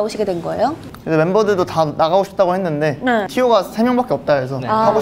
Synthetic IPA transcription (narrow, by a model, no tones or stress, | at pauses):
oɕʰiɡe̞dwe̞nɡʌḛjo | kɯdewenbʌdɯɭdotanaɣaoɕʰi̥p̚t͈aɡohe̞nːɯnde̞netʰijoɡasʰe̞mjʌŋbak͈e̞ʌp̚t͈aesʰʌao